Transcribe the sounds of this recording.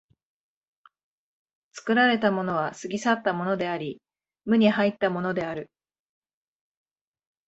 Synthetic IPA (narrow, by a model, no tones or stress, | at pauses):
t͡sɨ̥kɯ̟ɾaɾe̞t̪amo̞no̞β̞asɨɡʲisat̪ːamo̞no̞d̪e̞aɾʲi | mɯ̟ɲ̟iɦait̪ːamo̞no̞d̪e̞aɾɯ̟